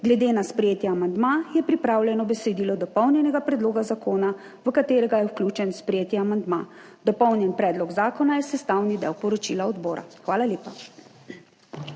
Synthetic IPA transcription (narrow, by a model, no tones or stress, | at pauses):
ɡlɛd̪eːnaspɾɛjeːt̪jaamand̪majɛpɾipɾaːwlʲjɛnɔbɛsɛd̪iːlɔd̪ɔpɔwnjɛnɛɡapɾɛd̪loːɡazakʰoːna | ʋəkat̪eːɾɛɡajɛwklʲuːt͡ʃɛnspɾɛjeːt̪jɛamand̪maːd̪̥ɔpɔwnjɛnpɾɛːd̪lɔɡzaːkɔnajɛsɛst̪awnid̪ɛ̰wpɔɾɔt͡ʃilaɔd̪bɔːɾa̰xʋaːlaljeːpa